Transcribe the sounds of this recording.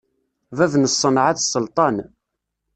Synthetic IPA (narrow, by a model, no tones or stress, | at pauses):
vævnəsˤːənʕaθsˤːəlt̪ˤɑn